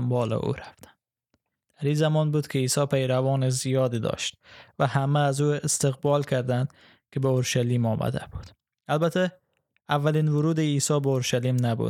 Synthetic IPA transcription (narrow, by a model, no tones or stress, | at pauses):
mbɒːlḛʔṵɾæft̪æ̥n | d̪̥æɾiːzæmɒnbuːd̪kʰeiːsɒːpʰejɾævɒːnezijɒːd̪id̪ɒ̰ʃt̪væhæmæːzuest̪eɣbɒːlkʰæɾd̪ænd̪ | kʲʰebeoɾʃæliːmɒːmʔæ̰d̪æ̰b̥ud̪̥ | ælbæt̪ʰæ | ævːæliːnvʊɾuːd̪eiːsɒːbeoɾʃæliːmnæbṵ̥